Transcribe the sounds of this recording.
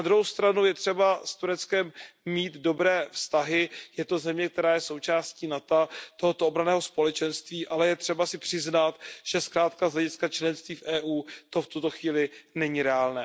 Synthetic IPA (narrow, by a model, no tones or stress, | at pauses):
ad̪ɾuɦowst̪ɾanujɛt̪r̝̥ɛbast̪uɾɛt͡skɛmːiːt̪do̞bɾɛːfst̪aɦɪjɛt̪o̞zɛmɲɛk̚t̪ɛɾaːjɛso̞wt͡ʃaːsciːnat̪at̪oɦot̪oobɾanɛːɦo̞spo̞lɛt͡ʃɛnst̪viːʔalɛjɛt̪r̝̥ɛbasɪpr̥ɪznat̪ʒ̥ɛskɾaːt̪kazɦlɛɟɪskat͡ʃlɛnst̪viːfʔɛːʔuːt̪o̞ft̪ut̪o̞xviːlɪnɛɲiɾɛaːlnɛː